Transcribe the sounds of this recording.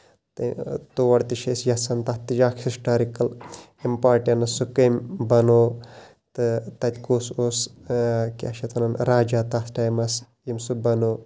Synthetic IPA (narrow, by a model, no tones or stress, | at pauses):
t̪ɨt̪uʋɐɽt̪iʃesjɐsɐnt̪ɐht̪ːid͡ʒaːkʰhisʈaːɾikɐl | impaːʈʲɐnɐsukembɐnoː | t̪ɨt̪ɐt̪ʲkuːsos | kiɐʃɐt̪ʰɐnɐnɾaːd͡ʒaːt̪asʈɐːjmɐs | jimsubɐnoː